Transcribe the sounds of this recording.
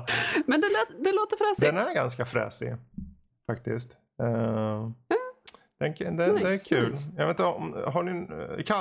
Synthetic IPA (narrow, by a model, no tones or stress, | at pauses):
mɛnd̪ɛd̪ɛloːt̪əɾfɾɛːsd̪ɛnæɾɡanskafɾɛ̰ːsɪ̰ | fakt̪ɪskt̪ | d̪̥ɛnd̪ɛd̪ɛkʰʉ̟ːljɑɡveːnt̪əɔmɦaɳɪkʰa